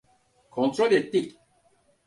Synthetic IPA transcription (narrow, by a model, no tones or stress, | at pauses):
kʰõnt̪ɾolet̪ːi